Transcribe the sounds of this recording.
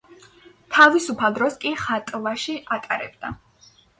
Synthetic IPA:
t̪ʰavisupʰalˠd̪ɾɔskʼiχat̪ʼlˠaʃiʔat̪ʼaɾɛ̰bd̪a̰

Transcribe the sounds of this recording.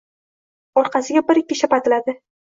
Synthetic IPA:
ɒɾqʰɑsɪɡʲabɪɾɪkʲːɪʃapat̪ʰɪlad̪ɪ

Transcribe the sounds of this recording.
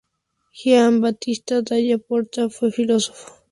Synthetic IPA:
xiambat̪ist̪ad̪ajapoɾt̪afefiloso̥fo̥

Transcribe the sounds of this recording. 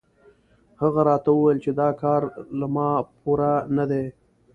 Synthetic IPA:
haɣaɾɑt̪awuwajlt͡ʃed̪ɑkɑːɾlamɑpuɾanad̪e

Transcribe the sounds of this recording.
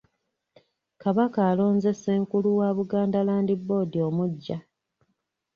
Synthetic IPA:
kaβakaːlo̞ːnze̞se̞ːŋkuluwaːβuɡaːndalaːndibo̞ːdio̞muɟːa

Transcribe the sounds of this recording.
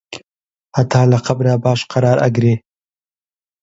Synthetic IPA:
hat̪ɑːlaqabɾabɑːʃqaɾɑːɾa̰ɡɾe

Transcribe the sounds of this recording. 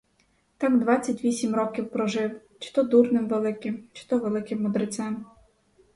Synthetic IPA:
t̪ɑmd̪ʋɑt͡sʲːɐtʲʋʲisʲimrɔkʲiwpɾɔʒɪw | t͡ʃɪ̥t̪ɔd̪urnɪmʋelˠɪkɪmt͡ʃɪ̥t̪ɔʋelˠɪkɪmːɔd̪ɾɪt͡s̪ɛm

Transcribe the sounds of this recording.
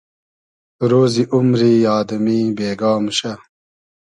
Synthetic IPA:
ɾoːziʔumɾijɑːd̪ɐmiːbeːɡɑːmɕɐ

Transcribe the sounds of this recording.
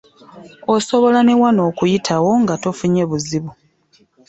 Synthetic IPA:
oso̞βo̞lanewano̞ːkujitʰawo̞ŋɡato̞fuɲe̞βuziβu

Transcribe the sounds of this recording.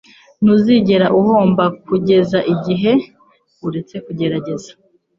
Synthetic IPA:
n̥uziɟe̞ɾaʔuho̞ːmbakuɟe̞zaʔiɟiɦe̞ | uɾe̞t͡se̞kuɟe̞ɾaɟe̞zḁ

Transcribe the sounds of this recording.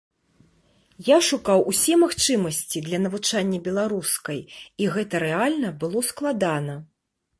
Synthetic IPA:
jaʂukawʔusʲɛmaxt͡ʂɨmɐsʲt͡sʲid̪lʲɐnɐvut͡ʂanʲːɐbʲɛlˠaɾuskɐjiɣɛt̪ɐɾɛalʲnɐbɨlˠɔsklˠad̪anɐ

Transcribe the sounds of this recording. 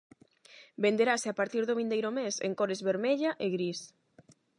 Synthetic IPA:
bend̪eɾaseapaɾt̪iɾðoβĩnd̪ejɾomesḛŋkoɾɪzβeɾmeʎaʔeɣɾis

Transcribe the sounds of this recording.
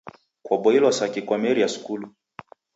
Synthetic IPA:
kwaɓɔilwasakikwamɛɾiasu̥kulu

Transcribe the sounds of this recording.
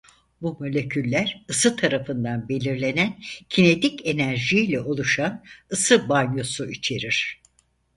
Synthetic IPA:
bumo̞lʲe̞cʰylʲːæɾɯsɯt̪ʰaɾafɯnd̪anbe̞lʲiɾlʲe̞næncʰine̞t̪ice̞næɾʒilʲɛo̞lˠuʃanɯsɯbanjo̞suit͡ʃʰe̞ɾiɾ̝̥

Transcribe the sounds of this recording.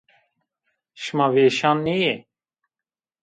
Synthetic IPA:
ʃmaːʋeːʃaːnːeje

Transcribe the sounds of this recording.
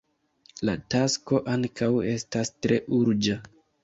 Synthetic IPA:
latasko̞ʔaŋkawe̞stastɾe̞ʔuɾd͡ʒa

